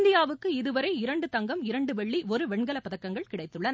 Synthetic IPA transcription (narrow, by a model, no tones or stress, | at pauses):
nd̪ɪjaːʋɯkːɯɪðɯʋɐɾɐɪɪɾɐɳɖɯt̪ɐŋɡɐmɪɾɐɳɖɯʋɛɭːiʔɔɾɯʋɛɳɡɐlɐpːɐðɐkːɐŋɡɐɭkɪɽɐɪt̪ːɯɭːɐn